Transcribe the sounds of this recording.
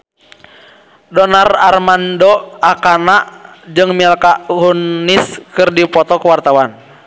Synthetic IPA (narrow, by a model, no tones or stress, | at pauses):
dɔnararmandɔakanaʔd͡ʒɨŋmiɛlkaʔhunːiskɨrdipɔt̪ɔkəwart̪awan